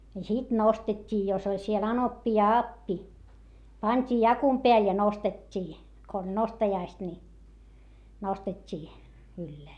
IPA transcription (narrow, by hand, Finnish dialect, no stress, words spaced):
jɑ sit nostetʲːiː jos olʲ siel ɑnopːi jɑ ɑpːi pɑnʲtʲiː jɑkum peæl jɑ nostetʲːiː ko olʲ nostɑjɑist ni nostetʲːiː ylːeæ